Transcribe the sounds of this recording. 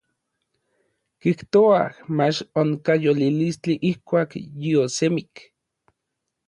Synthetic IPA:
kiht̪oa̰mat͡ʃoŋkajolilist͡ɬiʔihkʷaːkjiosemik

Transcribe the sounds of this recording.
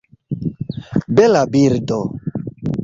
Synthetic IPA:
bɛlabiɾdo

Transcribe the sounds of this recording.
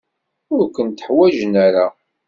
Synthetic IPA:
ʊɾkʷənt̪ə̥ħwæʒnæɾa

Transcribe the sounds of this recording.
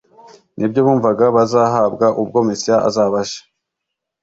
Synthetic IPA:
nʔibɟo̞βuːɱvaɡaβazaɦaːbɡaʔub̚ɡo̞mesijaʔa̰zaːβaʃḁ

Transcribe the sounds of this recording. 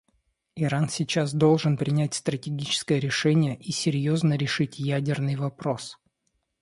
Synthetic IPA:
ɪɾansʲit͡ɕasd̪o̞lˠʐɨnpɾʲɪnʲætʲst̪ɾətʲɪɡʲit͡ɕɪ̥skəjəɾʲɪʂɛnʲɪjəʔisʲɪɾʲjo̞znəɾʲɪʂɨtʲjædʲɪrnɨjvɐpɾo̞s

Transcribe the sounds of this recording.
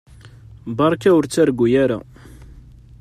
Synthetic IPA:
bɑɾˤkæʊɾt͡sːæɾɡujæɾa̰

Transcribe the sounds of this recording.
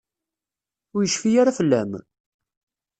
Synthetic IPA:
ʊɾjəʃfijaɾafəlːæm

